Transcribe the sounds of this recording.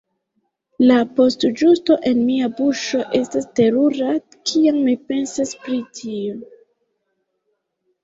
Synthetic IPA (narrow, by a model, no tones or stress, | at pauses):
lapo̞std͡ʒusto̞ʔe̞nmiabuʃo̞ʔe̞staste̞ɾuɾa | kʰiammipe̞nsaspɾitʰio